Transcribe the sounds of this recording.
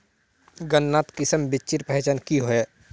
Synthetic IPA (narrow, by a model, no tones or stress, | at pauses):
ɡənːaːt̪kɪsəmbɪt͡ʃɪɾpɛɦɛt͡ʃaːnkiɦoeː